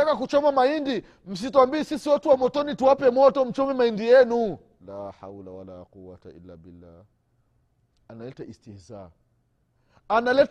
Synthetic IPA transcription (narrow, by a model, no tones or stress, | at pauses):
akakut͡ʃɔmamaindi | m̩s̬ituambiɛsisiwatuwamɔtɔnituwapɛmɔtɔm̩t͡ʃɔmɛmaindijɛnu | laːħa̰wlawalaːquwata̰ḭlːa̰bilːaː | analɛtaʔistihza | analɛt